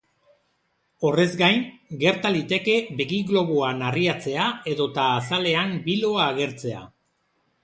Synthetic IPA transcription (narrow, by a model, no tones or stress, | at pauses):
o̞re̞zɡajnɡe̞ɾt̪alit̪e̞ke̞βeɣiɣlo̞βoanariat͡se̞ae̞ðo̞t̪aːsale̞ambilo̞aːɣ̞e̞ɾt͡se̞a̰